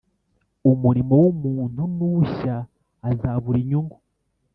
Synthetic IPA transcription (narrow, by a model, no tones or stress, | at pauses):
umuɾimowumuːn̥unuɕaː | zaβuɾiɲuŋɡu